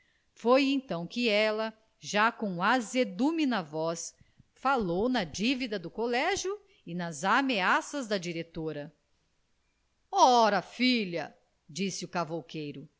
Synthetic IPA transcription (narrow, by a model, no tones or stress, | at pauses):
fojẽt̪ɐ̃w̃kɪɛlɐ | ʒakõw̃azed̪uminɐvɔs | falownɐd͡ʒivid̪ɐd̪ʊkolɛʒju | ɪnɐzameasɐzd̪ɐd͡ʒiɾet̪oɾɐ | ɔɾɐfiʎɐ̰ | d͡ʒisɪukavowkejɾʊ